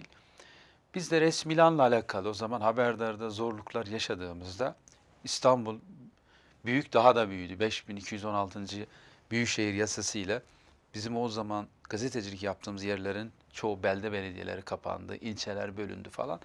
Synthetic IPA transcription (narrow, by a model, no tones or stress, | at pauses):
i | b̥izd̪ɛɾɛsmilʲanlˠaːlʲaːkʰalˠɯo̞zamanhabæɾd̪aɾd̪azo̞ɾlˠukʰlˠaɾjaʃad̪ɯːmɯzd̪a | ist̪ʰanbulˠ | byjycd̪aɦad̪abyjyjd̪ybɛʃbinicʰijyzo̞nalˠt̪ʰɯnd͡ʒɯbyjycʃejiɾjasasɯjlˠa | bizimo̞zamanɡ̥azet̪ʰed͡ʒilʲicjap̚t̪ʰɯːmɯzjæɾlʲeɾin | t͡ʃʰo̞bælʲd̪ɛbe̞ned̪ijḛlʲeɾikʰapʰa̰nd̪ɯ̰ʔilʲt͡ʃʰe̞lʲæɾbø̞lʲy̰nd̪yfa̰lˠa̰n